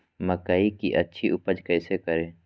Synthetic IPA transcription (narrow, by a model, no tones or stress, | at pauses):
məkaːikḭʔɐtːʃʰiʔʊpəd͡ʒkɛːsekəɾẽː